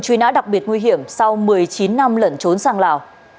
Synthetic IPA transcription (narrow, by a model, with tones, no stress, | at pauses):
t͡ɕwi˨˦nɗa̰ː˧˥ɗa˨˩k͡p̚ɓi˨˩ət̚ŋwi˧ɦḭ˧˨əmsa˧wmɨ˨˩əjt͡ɕi˨˦nːa˧mlə˨˩nt͡ɕo˨˦nsaː˧ŋlaː˨˩w